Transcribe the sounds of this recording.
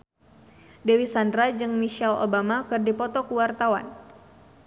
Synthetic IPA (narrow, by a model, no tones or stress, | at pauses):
dewisandɾad͡ʒɨŋmiʃɛlo̰bamakɨrdipɔt̪ɔkuwart̪awa̰n